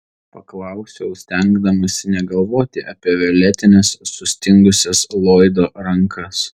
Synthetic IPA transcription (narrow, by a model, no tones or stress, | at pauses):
pɐklˠɑˑʊsʲɛʊsʲt̪ʲɛŋɡd̪ɐmɐsʲɪnʲɛɡɐlˠʋoːt̪ʲɪʔɐpʲiɛʋʲɛlʲæt̪ʲɪnʲɛsːʊsʲt̪ʲɪŋɡʊsʲɛslˠoːɪd̪oːɾɐŋkʰɐs